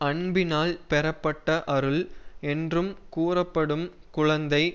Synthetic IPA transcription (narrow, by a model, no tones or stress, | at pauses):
ɐɳbɪnaːlpɛɾɐpːɐʈːɐʔɐɾɯɭɛndrɯmkuːrɐpːɐɽɯmkʊɻɐnd̪ɐɪ